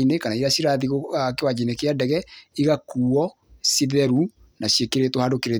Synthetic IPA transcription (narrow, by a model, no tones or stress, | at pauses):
inekanaiɾasiɾaðiɣoakewad͡ʒinekeadɛɣɛiɣakuːɔ | siðɛɾu | naɕjekeɾetohadokeɾe